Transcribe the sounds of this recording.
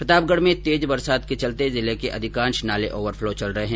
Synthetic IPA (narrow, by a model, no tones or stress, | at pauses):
pɾɪt̪aːb̚ɡəɽ̤mẽt̪eːd͡ʒbɐɾsaːd̪ket͡ʃɐlt̪ezɪlekeʔɐ̰d̪ʱɪkãːnʃnaːleʔoːʋəɾfʰloːt͡ʃɐlɾɐɦeɦɛ̃ː